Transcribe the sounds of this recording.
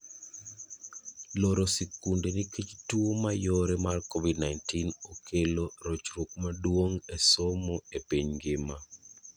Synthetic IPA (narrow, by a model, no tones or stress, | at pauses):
loɾosekundeniket͡ʃtuomajoɾemarkɔvidnaɪntinokʰeloɾot͡ʃrok̚madwoŋesomoepiɲɡɪma